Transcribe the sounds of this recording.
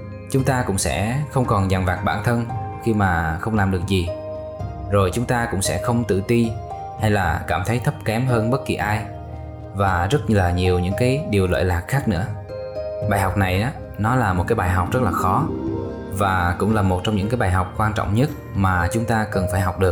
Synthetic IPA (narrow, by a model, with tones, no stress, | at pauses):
t͡ɕʊ˨˦ŋ͡mt̪aː˧kʊ̰˧˥ŋ͡msɛ̰˧˥xə˧wŋ͡mkɔ˨˩nza˨˩nvaː˨˩k̚ɓaː˧˩nt̪ʰə˧nxi˧maː˨˩xə˧wŋ͡mlaː˨˩mɗɨ˨˩ək̚zi˨˩ | zo˨˩jt͡ɕʊ˨˦ŋ͡mt̪aː˧kʊ̰˧˥ŋ͡msɛ̰˧˥xə˧wŋ͡mt̪ɨ̰˧˨t̪i˧ | ha˧jlaː˨˩kaː˧˩mt̪ʰə˨˦jt̪ʰə˦˥p̚kɛ˨˦mɦəː˧nɓə˦˥t̚ki˨˩ʔaː˧j | vaː˨˩zə˦˥t̚laː˨˩ɲi˨˩əwɲɨ̰˧˥ŋkaː˨˦jɗi˨˩əwlə̰ː˧˨jlaː˨˩k̚xaː˦˥k̚nɨ̰˧˥ə | ɓaː˨˩jɦɔ˨˩wk͡p̚na˨˩jʔaː˨˦ | nɔ˨˦laː˨˩mo˨˩t̚kaː˨˦jɓaː˨˩jɦɔ˨˩wk͡p̚zə˦˥t̚laː˨˩xɔ˨˦ | vaː˨˩kʊ̰˧˥ŋ͡mlaː˨˩mo˨˩t̚t͡ɕɔ˧wŋ͡mɲɨ̰˧˥ŋkaː˨˦jɓaː˨˩jɦɔ˨˩wk͡p̚kwaː˧nt͡ɕɔ̰˧˨wŋ͡mɲə˦˥t̚ | maː˨˩t͡ɕʊ˨˦ŋ͡mt̪aː˧kə˨˩nfaː˧˩jɦɔ˨˩wk͡p̚ɗɨ˨˩ək̚